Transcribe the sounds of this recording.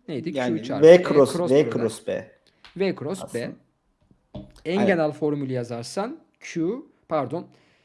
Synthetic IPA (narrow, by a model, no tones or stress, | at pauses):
nejd̪iut͡ʃʰavɛkʰɾosɾoekɾosbɛ̰ | vekɾosbɛ | ænɟenælʲfo̞ɾmylʲˠijazaɾsan | cʰu | pʰæɾd̪o̞n